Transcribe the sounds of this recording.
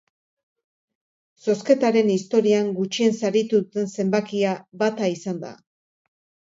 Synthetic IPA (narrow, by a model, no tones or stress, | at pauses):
so̞ske̞t̪aɾe̞nist̪o̞ɾiaŋɡut͡ʃie̞nsaɾit̪uðut̪e̞nse̞mbakiaβat̪aisand̪a̰